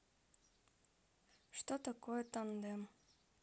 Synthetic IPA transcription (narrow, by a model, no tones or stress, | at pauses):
ʂt̪ot̪akojt̪ɑnd̪em